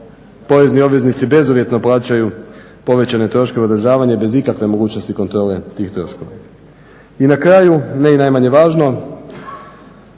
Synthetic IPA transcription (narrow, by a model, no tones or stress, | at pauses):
po̞ʋe̞znio̞bʋe̞znit̪sibe̞zoʋje̞t̪no̞plˠaːt͡ɕaju | po̞ʋe̞t͡ɕane̞t̪ɾo̞ʃke̞od̪ɾ̩ʒaːʋaɲe̞be̞zikakʋe̞mo̞ɡuːt͡ɕno̞st̪iko̞nt̪ɾo̞ːle̞t̪iːxt̪ɾo̞̰ʃko̞ʋa̰ | inakɾajuneinaːjmaɲe̞ʋaːʒno̞